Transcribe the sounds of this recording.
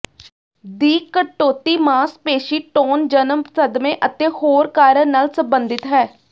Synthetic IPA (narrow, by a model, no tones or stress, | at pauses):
d̪iːkːəʈːoːt̪iːmaːspeːʃiːʈoːnd͡ʒənəmsəd̪mẽːʔət̪eːhoːɾkaːɾənaːlsəmbənd̪ɪt̪ɦɛː